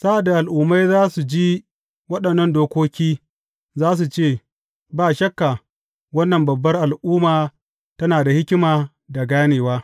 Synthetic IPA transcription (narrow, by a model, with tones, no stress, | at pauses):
sa˦ʔa˨da˨ʔa˨lʔuː˨mːa˦jzaː˦su˨d͡ʒi˦ | wɐ˦ɗɐ˨nːɐ˦ndoː˦kʷoː˦kʲiː˦ | zaː˦s̬u˨t͡ʃeː˦˨ | baː˦ʃɐ˦kːa˨ | wɐ˦nːɐ˨mbɐ˨bːɐ˦rʔa˨lʔuː˦maː˨ | tɐ˦naː˨da˨hɪ˦kʲɪ˦maː˨ | da˨ɡaː˦neː˨waː˦